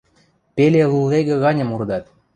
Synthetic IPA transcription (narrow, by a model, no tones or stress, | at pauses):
peleluleɣĕɣɑnʲə̆murd̪ɑt̪